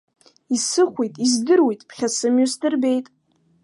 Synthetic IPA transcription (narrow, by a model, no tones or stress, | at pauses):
isɨχʷijtʼizdɨrwejtʼpʰχʲasɨmjusdɨrbe̞jtʼ